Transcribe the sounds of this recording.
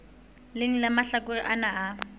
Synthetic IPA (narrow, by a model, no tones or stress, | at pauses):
lɪŋ̩lamaɬakʊriʔanaː